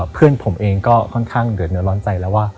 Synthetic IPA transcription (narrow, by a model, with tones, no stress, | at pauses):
pʰɯ˥˩ənpʰo˩˦mʔeː˧ŋkɔː˥˩kʰɔ˥˩nkʰaː˥˩ŋdɯ˨˩˦t̪̚nɯ˦ənlɔː˦˥nt͡ɕa˧jlɛː˦˥waː˥˩